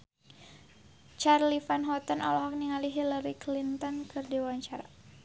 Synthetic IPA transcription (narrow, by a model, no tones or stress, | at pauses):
t͡ʃarlifanɦɔt̪əna̰lɔɦak̚niŋaliɦilaɾiklint̪ɔnkɨrdiwaɲt͡ʃaɾa̰